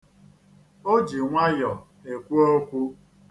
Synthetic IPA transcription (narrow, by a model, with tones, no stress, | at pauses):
o˦d͡ʒi˨ŋʷa˦jɔ˨ | e˨kʷu˦o˦kʷu˦